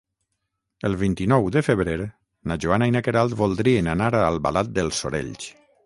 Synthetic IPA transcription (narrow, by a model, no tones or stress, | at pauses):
əlˠβint̪inɔwd̪əfəβɾeɾ | naʒuanajnakeɾalˠd̪βolˠd̪ɾienanaɾalˠβa̰lat̪̚d̪əlˠsoɾḛʎt͡ʃ